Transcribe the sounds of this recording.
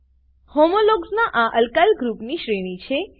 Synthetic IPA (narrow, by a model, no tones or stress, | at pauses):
homoloɡznaʔaʔəlkalɡɾupniʃɾiñit͡ʃʰe